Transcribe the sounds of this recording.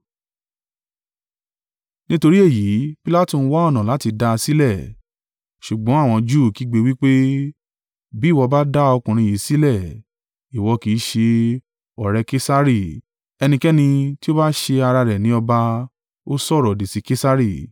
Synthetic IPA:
nĩ˦to˧ɾi˦e˦˨ji˨˦pi˦la˦˨tũ˦˨n̩˦wa˦ɔ˦˨nã˨la˨˦ti˧da˧si˦lɛ˦˨ | ʃu˨ɡ͡bɔ̃˨˦a˦˨w̃ɔ̃˧d͡ʒu˦˨ki˨˦ɡ͡be˧wi˦k͡pe˦ | bi˨˦˨wɔ˧ba˦da˦ɔ˧kũ˨ɾ̃ĩ˧ji˨˦si˦lɛ˦˨ | i˨wɔ˧ki˨˦ʃe˧ | ɔ˨ɾɛ˧ke˦sa˦ɾi˦˨ | ɛ˧nĩ˧kɛ˦nĩ˧ti˦o˦ba˦ʃe˧a˧ɾa˧ɾɛ˨nĩ˨˦ɔ˧ba˧ | o˦sɔ˦˨ɾɔ˨de˨si˨˦ke˦sa˦ɾi˦˨

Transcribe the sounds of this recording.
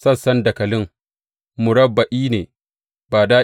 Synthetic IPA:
sɐ˦˨sɐ˦ndɐ˨kɐ˨lɪ˦ŋ | mʊ˨ɾɐ˦bːa˨ʔiː˦nḛː˨ | baː˨daː˦

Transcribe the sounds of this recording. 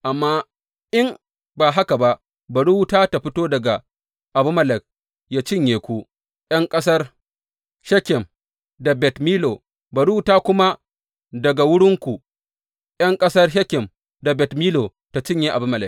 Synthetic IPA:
ʔa˨mːaː˦ | ʔɪ˦m | baː˨ɦa˦ka˨ba˦ʔ | bɐ˨ɽu˦wtaː˦ta˨ɸɪ˦toː˦dɐ˨ɡa˨ | ʔa˨bʊ˦mɐ˦˨lɛ˨k̚ | jaː˦t͡ʃɪ˦˨ɲjeː˨kʷu˦ | jɐ˦ŋkʼɐ˦s̬ɐ˦r | ʃɛ˦kʲɛ˨m | da˨bɛ˨tmiː˦lo˨ | bɐ˨ɽu˦wtaː˦kʷʊ˦ma˦ | dɐ˨ɡa˨wʊ˦ɽɪ˦ŋkʷu˨ | jɐ˦ŋkʼɐ˦sɐ˦rʃɛ˦kʲɪ˨m | da˨bɛ˨tmiː˦lo˨ | ta˨t͡ʃɪ˦ɲje˦ʔa˨bʊ˦mɐ˨lɛ˨k̚

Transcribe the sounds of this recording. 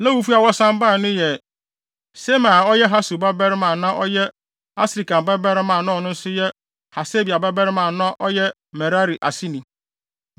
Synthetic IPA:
la˦wu˨fu˦a˨wɔ˦sã˦mba˦˨nʊ̃˦jɛ˨ | se˦mã˨ɔ˦jɛ˦ɦa˦su˨ba˦bɛ˦ɾɪ˦mã˨nã˦ʔɔ˦jɛ˦ | a˦sɾi˨ka˨m˨bɛ˦bɛ˦ɾɪ˦mã˨nʊ̃˦˨nʊ̃˦n̩˦sʊ˦jɛ˦ | ha˨se˦bi˨a˨bɛ˦bɛ˦ɾɪ˦mãː˨nã˦ʔɔ˦jɛ˦ | mɛ˨ɾa˦ɾi˨ʔa˨si˦nĩ˨

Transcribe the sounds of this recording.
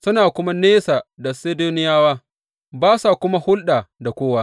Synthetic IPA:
sʊ˦naː˨kʷʊ˦ma˦neː˦saː˨da˨seː˦doː˦nɪ˦jaː˦waː˦ | baː˦sa˨kʷʊ˦ma˦hʊ˦lɗaː˨da˨kʷoː˦waː˦

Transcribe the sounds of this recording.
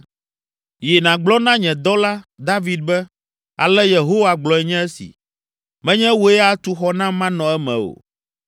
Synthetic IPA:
je˨nã˨ɡ͡blɔ˦nã˦ɲɛ̃˨d̪ɔ˦la˦d̪a˦vi˨d̪̚bɛ˦ | a̰˨lɛ˦je˨ɦo˦wa˨ɡ͡blɔ˨ɛ˨ɲɛ̃˦ɛ˦sḭ˨ | mɛ̃˦ɲɛ̃˦wo˦ɛ˦a˦t̪u˦xɔ˦nã˦mã˦nɔ̃˨ɛ˦mɛ̰̃˨o̰˨

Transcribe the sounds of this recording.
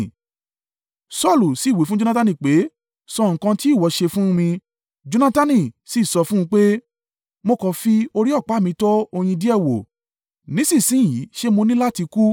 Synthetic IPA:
sɔ˦˨lu˨si˨˦˨we˨˦fũ˦d͡ʒo˦nã˦ta˧nĩ˦˨k͡pe˨˦ | sɔ˧˨ŋ̩̃˨kã˧ti˦i˦˨wɔ˨˧ʃe˧fũ˦˧mĩ˧ | d͡ʒo˧˦nã˦ta˦nĩ˧˨si˦˨sɔ˧fũ˦ũ˧k͡pe˦ | mo˧kɔ˧fi˦o˧ɾi˦ɔ˦˨k͡pa˨˦˨mĩ˧tɔ˦o˧j̃ĩ˧di˦ɛ˦˨wo̰˨ | nĩ˨˦sĩ˦˨sĩ˨˦˨i˨˦ʃe˦mo˧nĩ˦la˦ti˧ku˦

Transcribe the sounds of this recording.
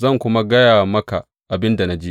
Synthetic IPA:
zɐ˦˨ŋkʷʊ˦ma˦ɡɐ˦jaː˨mɐ˦ka˨ | ʔa˨bɪ˦nda˨na˦d͡ʒi˦

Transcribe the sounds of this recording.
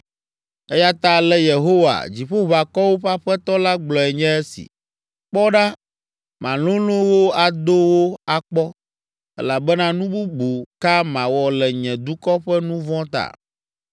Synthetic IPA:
ɛ˦ja˦t̪a˦lɛ˦je˨ɦo˦wa̰˨d͡ʑi˨ɸo˦βa˨kɔ˦wo˦ɸa˦ɸɛ˦t̪ɔ˦la˦ɡ͡blɔ˨ɛ˨ɲɛ̃˦ɛ˦sḭ˨ | k͡pɔ˦ɖa˦ | mã̰˨lõ˦lõ˦wo˦a˨d̪o˦wo˦a˨k͡pɔ˦ | ɛ̰˦la˨bɛ˦nã˦nũ˦bu˦ɡ͡bu˨ka˦mã˨wɔ˨lɛ˨ɲɛ̃˨d̪u˦kɔ˦ɸɛ˦nũ˦vɔ̃˦t̪a̰˨

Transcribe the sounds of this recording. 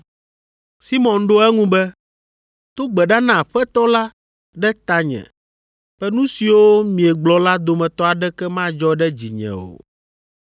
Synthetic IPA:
si˦mɔ̃˨nɖo˦ɛ˦ŋũ˦bɛ˦ | t̪o˦ɡ͡bɛ˨ɖa˦nã˨ɸɛ˦t̪ɔ˦la˦ | ɖɛ˦t̪a˦ɲɛ̰̃˨ | ɸɛ˦nũ˦si˨wo˦mĩ˨ɛ˨ɡ͡blɔ˨la˦d̪o˨mɛ̃˨t̪ɔ˦a˨ɖɛ˦kɛ˦mã˦d͡ʒɔ˦ɖɛ˦d͡ʑḭ˨ɲɛ̰̃˨o̰˨

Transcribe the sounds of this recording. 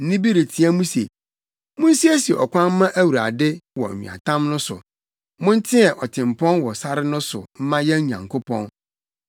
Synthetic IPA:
n̩˦nĩ˦bi˦ɾi˨tʰi˨æ˦mũ˦se˨ | mʊ̃˦n̩˦si˦æ˦si˨ɛ˨ɔ̰˨kʷã˦n̩˦mã˦ʔæ˦wu˨ɾa̰˨dɪ˦wɔ̰˨ɲḭ̃˨a̰˨tʰã˦mnʊ̃˦sʊ̰˨ | mʊ̃˦n˦tʰɪ̃˦ɛ˨ʔɔ˨tʰɪ̃˨m˨pʰɔ̃˦nwɔ˨sa˦ɾɪ˦nʊ̃˦sʊ̰˨m̩˦mã˦jɛ̃˦ɲã̰˨ŋkʰo˦pʰɔ̃˦n

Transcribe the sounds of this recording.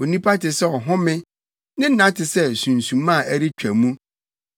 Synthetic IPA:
o˨nĩ˦pʰa˦tɪ˨sɛ˦ɔ˨ɦɔ̃˦mɪ̃˦ | nɪ̃˦n̩˦nã˦tɪ˨sɛ˦sũ˨n˨sũ˨mã˦˨ʔæ˦ɾi˦t͡ɕᶣæ˨mũ˦

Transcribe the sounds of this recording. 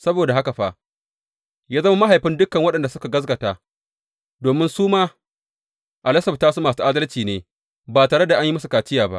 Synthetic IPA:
sɐ˦boː˨da˨ɦa˦ka˨ɸa˦ʔ | jaː˦zɐ˦ma˦ma˦ɦa˨jɸɪ˦ndʊ˦kːɐ˨ŋwɐ˦ɗɐ˨nda˨sʊ˦ka˨ɡɐ˦z̬ɡɐ˨taː˦ | doː˨mɪ˦nsuː˦maː˦ | ʔa˨lɐ˦sɐ˨btaː˦su˦maː˨su˦ʔaː˦dɐ˦lt͡ʃiː˨neː˨ | baː˨taː˨ɽe˦da˨ʔa˦ɲji˦mɐ˦s̬u˨kaː˨t͡ʃɪ˦jaː˨ba̰˦ʔ

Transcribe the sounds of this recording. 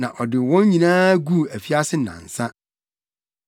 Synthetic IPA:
nã˨ʔɔ˨dɪ˨wɔ̃˦ɲɲĩ˨nãː˦ɡu˦˨æ˨fi˦a˦sɪ˦nã̰˨n̩˨sã˦

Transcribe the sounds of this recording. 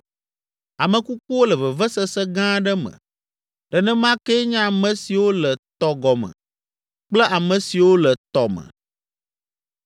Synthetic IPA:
a˨mə̃˨ku˦k͡po˦wo˦lɛ˨və˨və˦sɛ˦sɛ˦ɡã˦ɖə˦mə̰̃˨ | ɖ̥ɛ˨nɛ̃˦mã˦kɛ˦ɲã˦a˨mə̃˨si˨wo˦lə˨t̪ɔ˨ɡɔ˨mə̰̃˨ | k͡plɛ˦ʔa˨mə̃˨si˨wo˦lə˨t̪ɔ˨mə̰̃˨

